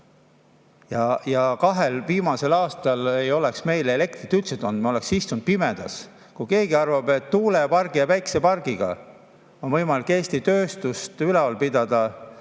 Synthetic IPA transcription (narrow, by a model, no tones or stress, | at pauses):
jɑjɑkɑɦe̞lviːmɑse̞lɑːst̪ɑle̞jo̞leksme̞jlele̞k̚t̪ɾit̪ylt̪set̪ˑond̥̪mo̞leksist̪und̪̚pimed̪̥ɑ̰s | kujke̞ːɡiɑrvɑbet̪ːuːle̞pɑrɡ̥ijɑvæjkse̞pɑrɡ̥iɡ̥ɑ̰ | o̞nvɤjmɑlikːeːst̪it̪ø̞ːst̪ust̪ylɛolpid̪ɑd̪̥ɑ